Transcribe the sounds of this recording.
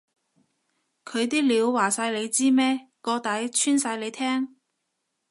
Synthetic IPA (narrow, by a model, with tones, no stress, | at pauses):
kʰɵ˨˧ɥt̪iː˥liː˨˧wːaː˨˩saː˧jle˨˧jt͡siː˥mɛː˥kɔː˧t̪ɐ˨˥jt͡ʃʰyː˥nsaː˧jle˨˧jt̪ʰɛː˥ŋ